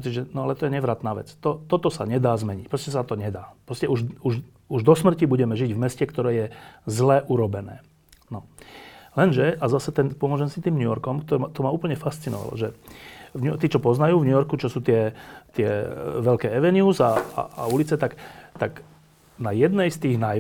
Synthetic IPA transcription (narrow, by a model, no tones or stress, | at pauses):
ɔt͡siʒɛnɔalɛt̪ɔjɛɲɛʋɾat̪naːʋɛ̰t͡st̪ɔt̪ɔt̪ɔsa̰ɲɛd̪aːzmɛɲicpɾɔscɛsat̪ɔɲɛd̪aːpɾɔscɛuʒuʒ | uʒd̪ɔsmr̩cibuɟɛmɛʒiɟvmɛscɛkt̪ɔɾɛːjɛzlɛːʔuɾɔbɛnɛ̰ː | nɔ | lɛnʒɛʔazasɛt̪ɛnpɔmʊɔʒɛmsit̪iːmɲujɔɾkɔmkt̪ɔɾat̪ɔmauːpl̩ɲɛfast͡sinɔ̰ʋa̰lɔ̰ʒɛvɲut̪iːt͡ʃɔpɔznajuːvɲujɔɾkut͡ʃɔsuːt̪ɪɛt̪ɪɛʋɛʎkɛːɛʋɛnɪuːzaa̰aulit͡sɛt̪akt̪ak | najɛd̪nɛjst̪iːɣnaj